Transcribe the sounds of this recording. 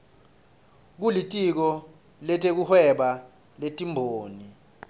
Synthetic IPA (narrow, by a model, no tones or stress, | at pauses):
k̬ulitʼik̬ɔ | lɛtʰʼek̬uhwɛɓa | letʼimbʱoːni